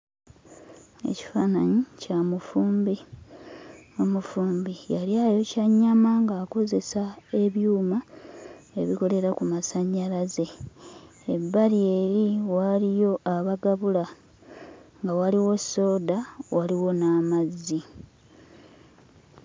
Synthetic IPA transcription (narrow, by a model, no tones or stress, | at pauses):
e̞̰ci̥faːnaɲicamufuːmbi | omufuːmbijaɾjajo̞caɲːamaŋɡaːko̞ze̞sae̞βjuːma | e̞βiko̞le̞ɾakumasaɲːalaze̞ | ebːalie̞ɾiwalijo̞ʔaβaɡaβula | ŋɡawaliwo̞sːo̞ːdawaliwo̞namazːi